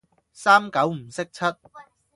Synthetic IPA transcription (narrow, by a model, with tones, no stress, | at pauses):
saː˥mkɐ˨˥wm̩˨˩sɪ˥k̚t͡sʰɐ˥t̚